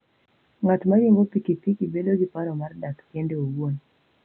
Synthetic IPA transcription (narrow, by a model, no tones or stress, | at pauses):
ŋatumaɡiŋɡɔpikipikibɛlɔɡipaɾɔmaɾdatkɛndɛuɡɔni